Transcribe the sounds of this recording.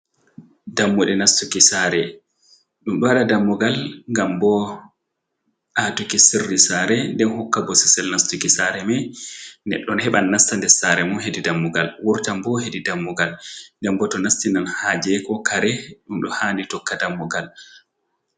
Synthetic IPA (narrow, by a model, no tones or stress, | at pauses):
damːuɗɛnastukisaɾɛ | ɗumɗɔwaɗadamːɔɡalŋɡambɔ | ʔatukisirːisaɾɛndɛnhɔkːabɔsi̥sɛlnastukisaɾɛmɛnɛ̰ɗːɔnhɛɓanːastandɛsaːɾɛmɔɦedidamːuɡalwuɾtambɔhedidamːuɡalndɛmbɔtɔnastinanhad͡ʒɛkɔkaɾɛɗumɗɔhanitɔkːadamːɔɡal